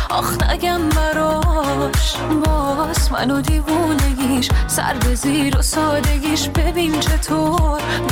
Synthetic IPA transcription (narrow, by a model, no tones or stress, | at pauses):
ʔɒxnæ̰ɡʲæmbæɾɔːʃ | bɔːsmæ̰nod̪iːvuːneɡʲiːʃsæ̰ɾbeziːɾosɒːd̪eɡʲiːʃbebiːnt͡ʃʰe̞t̪ʰoɾ